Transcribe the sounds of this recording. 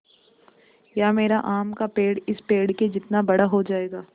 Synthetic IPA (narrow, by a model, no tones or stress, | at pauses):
jaːmeːɾaʔaːmkapeːɽɪspeːɽked͡ʒɪt̪nabɐɽaɦod͡ʒaːeːɡaː